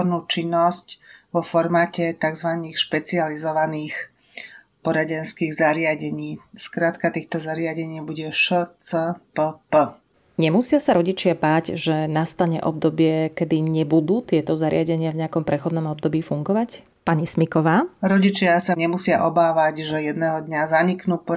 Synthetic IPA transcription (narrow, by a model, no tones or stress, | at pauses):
ɔɾnuːt͡ʃinːɔscʋɔfɔɾmaːcɛt̪aɡzʋaniːxʃpɛt͡sializɔʋaniːx | pɔɾaɟɛnskiːɣzaɾɪaɟɛɲiːskɾaːt̪kat̪iːxt̪ɔzaɾɪaɟɛɲiːbuɟɛʃət͡səpəpə | ɲɛmusɪasaɾɔɟit͡ʃɪabaːɟʒɛnast̪aɲɛ̰ʔɔb̚d̪ɔbɪɛkɛd̪iɲɛbud̪uːt̪ɪɛt̪ɔzaɾɪaɟɛɲɪavɲɛakɔmpɾɛxɔd̪nɔmɔb̚d̪ɔbiːfuŋɡɔʋac | paɲismikɔʋaːɾɔɟit͡ʃɪasaɲɛmusɪaʔɔbaːʋaɟʒɛjɛd̪nɛːɦɔd̪ɲazaɲiknuːpɔ